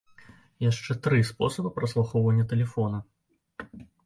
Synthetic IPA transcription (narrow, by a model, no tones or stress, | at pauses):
jaʂt͡ʂɛt̪ɾɨspɔsɐbɨpɾɐslˠaxɔwvɐnʲːɐt̪ɛlʲɛfɔnɐ